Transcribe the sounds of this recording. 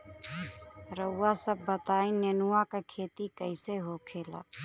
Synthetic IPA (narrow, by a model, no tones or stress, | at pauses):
ɾəʊːaːsəbːət̪aːĩneːnuwãːkakʰeːt̪ikəɪseɦoːkʰeːla̰ː